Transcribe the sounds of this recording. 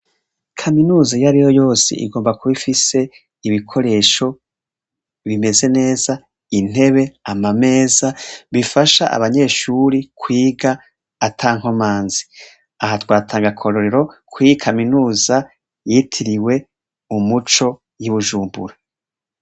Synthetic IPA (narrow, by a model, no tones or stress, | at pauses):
kʰaminuːzajaɾijo̞jo̞ːsḭʔḭɡo̞ːmbakuβifise̞ | iβikʰo̞ɾe̞ːʃo̞ | βime̞ze̞ne̞ːza | in̥he̞βe̞amame̞ːzaβifaʃaʔa̰βaɲe̞ːʃuɾikwiːɡaː | tʰaːŋ̥ho̞maːnzi̥ | ahatɡwaːtʰaːŋɡakʰo̞ɾo̞ɾeɾo̞kwijikʰaminuːza | jitʰiɾiwe̞ | umut͡ʃo̞ | juβuʒuːmbuɾa